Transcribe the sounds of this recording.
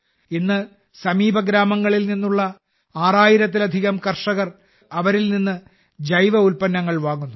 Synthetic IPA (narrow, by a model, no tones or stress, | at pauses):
inːɨ | sɐmiːbʱɐɡɾaːmɐŋːɐɭilninːuɭːɐ | aːraːjiɾɐt̪̬ːilɐd̪ʱiɣɐmkɐrʂɐɣɐr | ɐʋɐɾilninːɨ | d͡ʑɐjʋɐulpɐnːɐŋːɐɭʋaːɣunːu